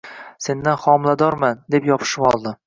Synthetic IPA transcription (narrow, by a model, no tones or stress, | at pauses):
se̞nd̪anχɒmlˠad̪ɒɾmand̪e̞pjɒpʰɪ̥ʃɪpɒlˠd̪ɪ